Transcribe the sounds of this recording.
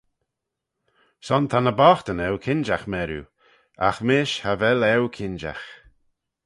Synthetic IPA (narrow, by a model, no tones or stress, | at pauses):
sɔnt̪ʰanəbɔxt̪ənɛwkʰɪnd͡ʒaxmɛɾṵ | a̰xmɪʃhavɛlɛwkʰɪnd͡ʒa̰x